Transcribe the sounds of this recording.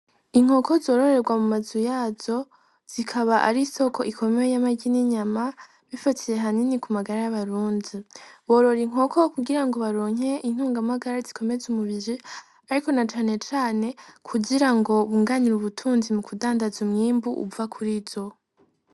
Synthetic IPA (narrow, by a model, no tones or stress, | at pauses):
iŋ̥ho̞ko̞zo̞ːɾo̞ɾe̞ɾɡwamumazujaːzo̞ | z̥ikʰaβaʔaɾiso̞ko̞ikʰo̞meejamaɟiniɲama | βifatʰije̞ɦaninikumaɡaɾajaβaɾuːndiβo̞ɾo̞ɾiŋ̥o̞ko̞kuɡiɾaŋɡo̞βaɾoːɲe̞ʔin̥uːŋɡamaɡaɾazikʰo̞me̞zumuβiɾi | aɾiko̞nat͡ʃaːne̞t͡ʃaːne̞kʰuɟiɾaŋɡo̞βuŋɡaniɾuβutʰuːnzimukudaːndazumŋiːmbuʔṵvakʰuɾizo̞